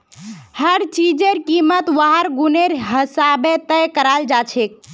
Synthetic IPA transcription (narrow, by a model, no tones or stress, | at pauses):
həɾt͡ʃid͡ʒeɾkimət̪ʋəɦəɾɡuneɾɦəsabet̪əjkəɾald͡ʒat͡ʃʰek̚